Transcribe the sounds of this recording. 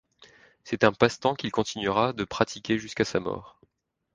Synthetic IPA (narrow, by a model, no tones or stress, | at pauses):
sɛt̪ɛ̃past̪ɑ̃kʲilkɔ̃t̪ʰinɥʁad̪əpχat̪ʰikʲeʒyskasamɔ̰ːʁ